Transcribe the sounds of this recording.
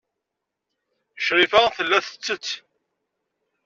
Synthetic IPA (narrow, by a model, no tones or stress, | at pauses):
ʃɾifæθəlːæθə̥t͡sːət͡sː